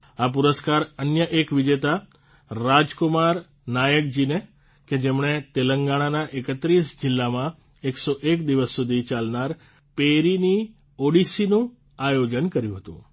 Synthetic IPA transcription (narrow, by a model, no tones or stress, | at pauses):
ap̬uɾəskaɾənjəʔekʋɪd͡ʒet̪aː | ad͡ʒkʊmaɾ | najək̚d͡ʒine | ked͡ʒemɳ̃et̪eləŋɡaɽ̃anaʔekət̪ɾisd͡ʒɪlːamã | eksoʔekd̪iʋəsːud̪ʱit͡ʃalnaɾ | peɾini | oɽisinũ | ajod͡ʒənkəɾjũɦət̪ṵ̃